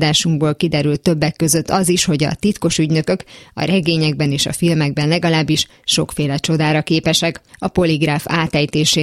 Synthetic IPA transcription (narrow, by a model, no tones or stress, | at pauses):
d̪aːʃuŋɡboːlkid̪ɛɾylt̪ːø̞bːɛkːø̞zøt̪ːɒziʃho̞ɟɒ̰t̪it̪ko̞ʃyɟnø̞kø̞kɒ̰ɾɛɡeːɲɛɡ̚bɛneːʃɒ̰filmɛɡ̚bɛnlɛɡɒlaːbːiʃ | ʃo̞kfeːlɛt͡ʃo̞d̪aːɾɒkeːpɛʃɛkɒpo̞liɡraːfaːt̪ɛjt̪eːʃeː